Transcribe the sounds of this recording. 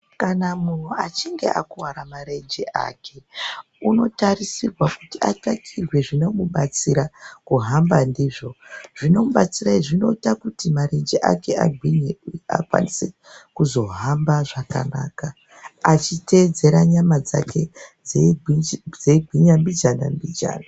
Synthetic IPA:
kanamun̤uat͡ʃiŋɡe̞ʔakuwaɾamare̞nd͡ʒeʔa̰ːke̞ | uno̞tarisirwakutia̰kakʰirwe̞ʐinomuɓat͡siɾakuɦambandiːʐo̞ʐino̞muɓat͡siraiʐino̞itakutimaɾe̞nd͡ʒeʔa̰ke̞ʔa̰ɡʱwiɲea̰kwa̰nise | kuzo̞ɦambaʐaka̰naːka | at͡ʃite̞ːd͡ze̞ɾaɲamad͡zake̞ | d͡zeɡʱwiɲambid͡ʒana̰mbid͡ʒa̰ːna

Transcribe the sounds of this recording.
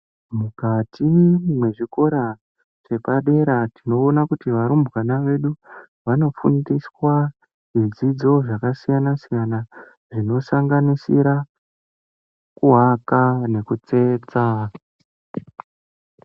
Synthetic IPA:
mukatʰimwe̞ʐiko̞ɾa | ʐe̞paɗe̞ɾatino̞ːnakutiʋaɾumbɣanaʋe̞ɗu | ʋano̞fṵndiswa | ʐid͡zid͡zo̞ʐakasijanasijana | ʐino̞saŋɡanisiɾa | kuɦakane̞kut͡se̞ːt͡sa

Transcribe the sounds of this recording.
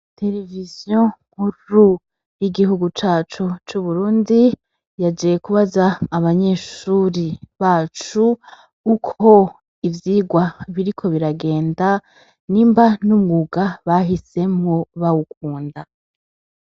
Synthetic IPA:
te̞ɾe̞vizjõŋ̥huu | jiɡiɦuɡut͡ʃaːt͡ʃut͡ʃuβuɾuːndi | jad͡ʒijekuβazaːβaɲe̞ːʃuɾiβaːt͡ʃuː | kʰo̞ | ivjiːɡwaβiɾikʰo̞βiɾaɡe̞ːnda | niːmbanumɡuːɡaβaɦise̞mŋoβawuk̚uːnda

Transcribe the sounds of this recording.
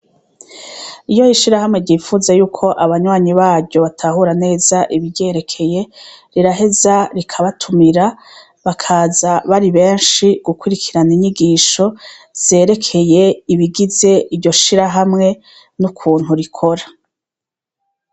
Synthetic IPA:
ijo̞iʃiɾahamŋe̞ɾɟiːfuzejuːkʰo̞ʔaβaɲwaːɲiβaːbjɟo̞βatʰahuɾane̞ːz̥aʔiβiɟe̞ɾe̞kʰe̞je̞ɾiɾaɦe̞zaɾikʰaβatʰumiɾa | βakʰaːzaβaɾiβe̞ːnʃiɡ̥ukwuɾikʰiɾaniɲiɡiːʃo̞z̥e̞ːɾe̞kʰe̞je̞iβiɡize̞ʔiɾɟo̞ʃiɾaɦamŋe̞ | nukʰuːn̥huɾikʰo̞ɾa

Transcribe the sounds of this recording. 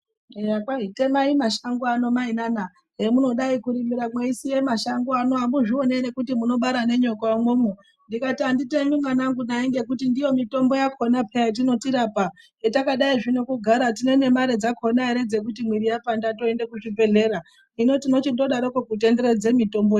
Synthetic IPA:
ejakwaite̞maimaʃaŋɡoano̞mainana | ɦemuno̞ɗaikuɾimiɾamweisije̞maʃaŋɡoano̞ambuʐio̞nene̞kutimuno̞ɓaɾane̞ɲo̞kmwoːmo | ndikatianditemimwanaŋɡunaiŋɡe̞kutindijo̞mito̞mbo̞jakʰo̞napʰejat̬ino̞tiɾapa | ɦetakaɗaiʐinokuɡʱaɾatine̞ne̞maɾe̞d͡zakʰo̞naiɾe̞d͡ze̞k̬utimwiɾijapandato̞endekuʐibe̞ɮe̞ɾa | ino̞tino̞t͡ʃindo̞ɗaɾokokut̬e̞nde̞ɾed͡ze̞mito̞mboje

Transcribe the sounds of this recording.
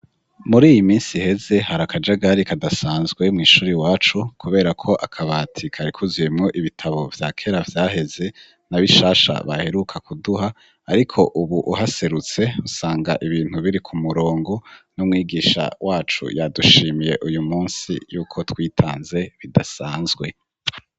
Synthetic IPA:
muɾiːjimiːnsihe̞ze̞haɾakad͡ʒaɡaɾikʰadasaːnzɡwe̞mŋiːʃuːɾiwaːt͡ʃukuβe̞ːɾakʰo̞ʔakʰaβatʰikʰaɾikʰuzuje̞mŋo̞ʔiβitʰaβo̞vjaːkʰe̞ɾavjaːɦe̞ze̞ | naβiʃaːʃa̰βa̰he̞ɾukʰakuduɦaː | ɾikʰo̞ʔuβuʔuhase̞ɾut͡se̞usaːŋɡaʔiβiːn̥huβiɾikʰumuɾo̞ːŋɡo̞numŋiːɡiːʃa̰wʔaːt͡ʃṵjaduʃiːmije̞ʔujumuːnsḭjuːkʰo̞twiːtʰa̰ːnze̞βidasaːnzɡwe̞

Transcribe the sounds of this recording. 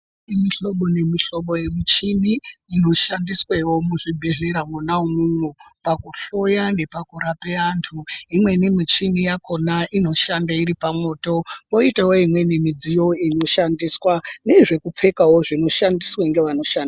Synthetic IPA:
imiɬo̞ɓo̞ne̞miɬo̞ɓoje̞mit͡ʃiniːno̞ʃandiswaiwo̞muʐibʱe̞ɮe̞ɾamunaomunupakuɬo̞jane̞pakuɾapeaːntʰuimwe̞nimit͡ʃinijako̞naʔino̞ʃandaiɾipamo̞ːto̞moitawoimwe̞nimid͡zijo̞ino̞ʃandiswane̞ʐe̞kup͡fe̞kawo̞ʐino̞ʃandiswaŋɡe̞ʋano̞ʃandi

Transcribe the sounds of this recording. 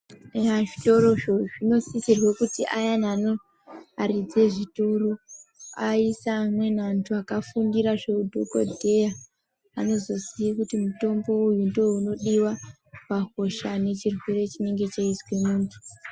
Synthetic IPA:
aʐito̞ɾo̞ʐoʐino̞sisirwekutiʔajanano | arid͡ze̞ʐituruaisaːmwe̞nantʰuakafundiɾaʐe̞udʱoko̰dʱe̞ja | ano̞zo̞siikutimuto̞mbo̞ujundo̞uno̞ɗiwa | pako̞ʃane̞t͡ʃirweɾe̞t͡ʃine̞ŋɡe̞t͡ʃeizwe̞muːntʰu̥

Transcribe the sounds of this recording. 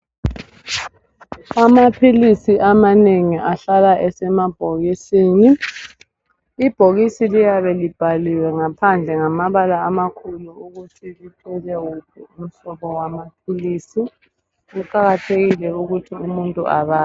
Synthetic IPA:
amapʰilisiʔamaneŋiʔaɬalaʔɛsɛmab̥ʱoɣisiːni | b̥ʱoɣisilijaβɛlib̥ʱaliwɛŋapʰand͡ɮʱɛŋamaβalaːmakʰuluuɣutʰilitʰʼɛlɛukʰuum̩sɔɣɔwamapʰiliːsi | ukaɣatʰeɣilɛuɣutʰiumuntʼṵʔa̰βaː

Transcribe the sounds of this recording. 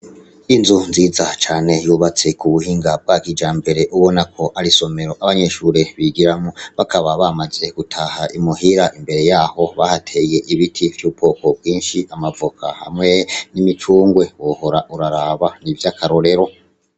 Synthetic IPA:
inzunziːzat͡ʃaːne̞juːβat͡se̞kuβuhiːŋɡab̚ɡaːɡid͡ʒaːmbe̞ɾe̞ʔuβo̞nakʰo̞ʔaɾiso̞me̞ɾo̞ʔaβaɲe̞ʃuːɾeβiɡiɾamoβakaβaβamaze̞ɡ̥utʰahaʔimuɦiɾaʔimbe̞ɾe̞jaːho̞βahatʰe̞je̞ʔiβitʰivjupʰo̞ːko̞b̚ɡwiːnʃiamavukʰa̰ha̰mŋe̞nimit͡ʃuːŋɡwe̞woho̞ɾaʔuɾaɾaːβanivjakʰaɾo̞ɾe̞ɾo̞

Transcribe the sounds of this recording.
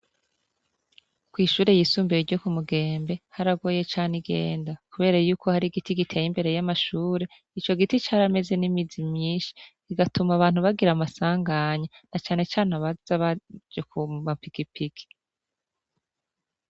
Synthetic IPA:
kwiːʃuːɾe̞jisuːmbeiɾɟo̞kumuɡe̞ːmbe̞haɾaɡo̞ːje̞t͡ʃaːniɡe̞̰ːndakuβe̞ːɾajuːkʰo̞haɾiɡitiɡitʰejimbe̞ɾe̞jamaʃuːɾe̞ | it͡ʃo̞ɡitit͡ʃaɾame̞ze̞nimidimɲiːnʃi̥ | iɡatumaβaːnhuβaɡiɾamasaːŋɡaɲanat͡ʃaːne̞t͡ʃaːnaβaz̥aβad͡ʒokuampikipiɡi̥

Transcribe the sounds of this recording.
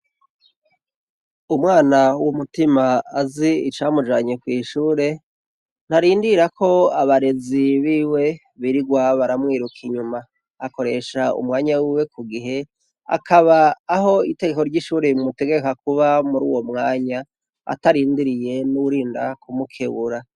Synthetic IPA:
umŋaːnawumutimaːziit͡ʃaːmud͡ʒaːɲekwiːʃuːɾe̞ | n̥haɾiːndiɾakʰo̞aβaɾe̞ziβiːwe̞ | βiɾiɡwaβaɾamŋiːɾukʰiɲumaː | ko̞ɾe̞ʃaṵmŋaːɲawiːwe̞kuɡiɦe̞ | a̰kʰaβaːɦo̞ite̞ɡe̞ko̞ɾɟiʃuːɾemuteɡeekakuβamuɾṵːwo̞mŋaːɲa | a̰taɾiːndiɾije̞nuwuɾiːndakumukʰeβuɾa

